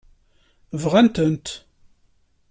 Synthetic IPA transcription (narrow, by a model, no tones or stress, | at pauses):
vʁænt̪ənt̪